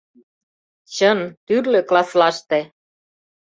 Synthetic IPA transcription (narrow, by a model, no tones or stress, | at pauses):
t͡ɕənt̪yrlø̆klɑslɑʃt̪ĕ